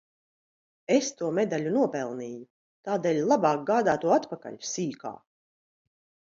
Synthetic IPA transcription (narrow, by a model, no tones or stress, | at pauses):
est̪uɔmed̪aʎʲunuɔpɛlˠniːju | t̪aːd̪eːlʲlˠabaːk̚ɡaːd̪aːt̪uɔat̪paka̰ʎʲsiːka̰ː